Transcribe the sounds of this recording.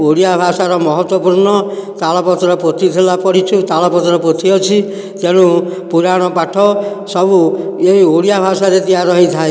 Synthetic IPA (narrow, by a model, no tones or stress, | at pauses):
oɽijabʱasaɾɔmɔɦɔt̪wɔpuɾɳɔt̪alɔpɔt̪ɾɔpɾot̪ʰit̪ʰelapɔɽ̤it͡ʃʰut̪alɔpɔt̪ɾɔpot̪ʰiɔt͡ʃʰi | t̪eɽ̃ũpuɾaɽ̃ɔpaʈʰɔ | sɔbueioɽijabʱasaɾet̪iaɾɔɦit̪ʰae